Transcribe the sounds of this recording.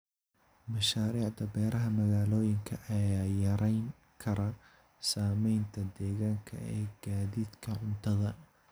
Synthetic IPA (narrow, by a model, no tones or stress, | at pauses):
mɐʃaːɾiːʕd̪ɐbɛːɾɐɦɐmɐɣaːlɔːjɪŋkʰɐʔɐjaːjɐɾɛjŋ | kʰɐɾɐ | saːmɛjnt̪ʰɐd̪ɛːɣaːŋkʰɐ̰ɛːɡ̥aːðid̪kʰɐʕʊnt̪ʰɐðɐ